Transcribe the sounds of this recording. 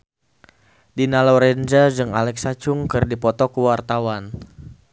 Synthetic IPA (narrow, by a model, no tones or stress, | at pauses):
dinaloɾɛnd͡ʒad͡ʒɨŋa̰lɛksat͡ʃʊŋkɨrdipɔt̪ɔkəwart̪awan